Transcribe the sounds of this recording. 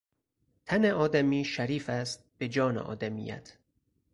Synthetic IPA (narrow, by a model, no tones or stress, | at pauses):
t̪ʰæneʔɒːd̪æmiːʃæɾiːfæst̪̚b̥e̞d͡ʒɒːnḛʔɒ̰ːd̪æmiːjæ̰t̪ʰ